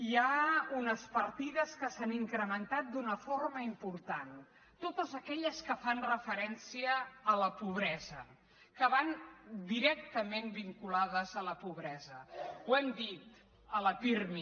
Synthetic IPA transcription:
jaunəspəɾt̪iðəskəsaniŋkɾəmənt̪at̪̚d̪unəforməimpuɾt̪an | t̪ot̪əzəkɛʎəskəfanrəfəɾɛnsiəːləpuβ̞ɾɛzə | kəβand̪iɾɛk̚t̪əmenbiŋkulaðəzələpuβɾɛzəwɛmd̪it̪ | ələpirmi

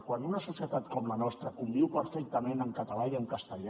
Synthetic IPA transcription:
kwanunəsusiət̪at̪kɔmlənɔst̪ɾəkumbiwpəɾfɛk̚t̪əmẽnəŋkət̪əlaiəŋkəst̪əʎa

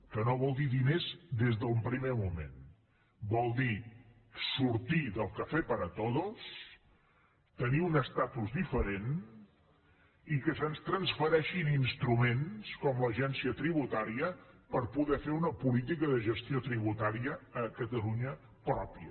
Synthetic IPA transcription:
kənoβɔlˠd̪iðinezd̪ezðəumpɾimemumḛn | bɔlˠd̪i | suɾt̪iðəlˠkəfɛpəɾət̪oðos | t̪əniunəst̪at̪uzdifəɾen | ikəsənst̪ɾənsfəɾɛʃininst̪ɾumenskɔmləʒɛnsiət̪ɾiβut̪aɾiəpəɾpuðɛfeunəpulit̪̬ikəðəʒəst̪iot̪ɾiβ̞ut̪aɾiəːkət̪əluɲə | pɾɔpiə

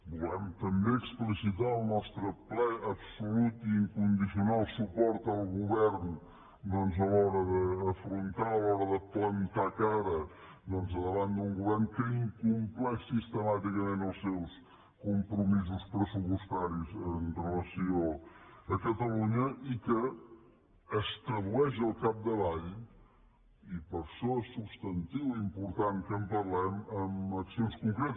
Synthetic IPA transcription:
bulɛmt̪əmbeəksplisit̪aəlˠnɔst̪ɾəplɛəbsulut̪iːŋkund̪isiunalˠsupɔɾt̪əlˠɣuβɛrn | d̪ɔnzəlɔɾəðəːfɾunt̪aəlˠɔɾəðəplənt̪akaɾə | d̪ɔnzəðəβand̪uŋɡuβɛrnkəiŋkumplɛʃsist̪əmat̪ikəmẽnəlˠsɛws | kumpɾumizuspɾəsupust̪aɾizənrələsioəkət̪əluɲəʔikə | st̪ɾəðuɛʃəlˠkap̚d̪əβaʎ | ipəɾʃɔɛsːubst̪ənt̪iwimpuɾt̪aŋkəmpərlɛməməksionskuŋkɾet̪

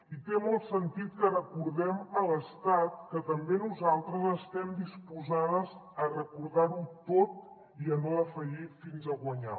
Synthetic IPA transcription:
it̪emolˠt̪sənt̪it̪̚kərəkuɾðɛmələst̪at̪̚kət̪əmbenuzalˠt̪ɾəzəst̪ɛmd̪ispuzaðəz | ərəkuɾðaɾut̪ot̪̚ | iənoəfəʒifinzəɣwəɲa̰

